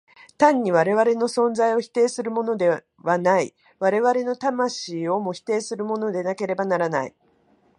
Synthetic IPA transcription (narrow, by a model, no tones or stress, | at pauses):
t̪ãɲ̟ːiβaɾe̞βaɾe̞no̞sõ̞nzaio̞çi̥t̪e̞ːsɨɾɯ̟mo̞no̞d̪e̞ | βanai | βaɾe̞βaɾe̞no̞t̪amaɕiːo̞mo̞çi̥t̪e̞ːsɨɾɯ̟mo̞no̞d̪e̞nake̞ɾe̞banaɾanai